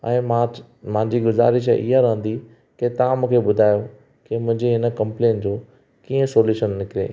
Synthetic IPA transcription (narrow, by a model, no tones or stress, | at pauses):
ɛ̃ːma | mãɦɪ̃ɲd͡ʑiɡʊza̰ːɾɪʃ̬ʔɪ̰ɦaɾɐɦə̃nd̪i | ket̪ɐʋãmũːkʰeɓʊd̪ʱaːjo | kemʊ̃ɦɪ̃ɲd͡ʑeɦɪnə̆kɐ̃mpleːnd͡ʑoː | kiːə̃soːljuːʃənːɪkɪɾḛː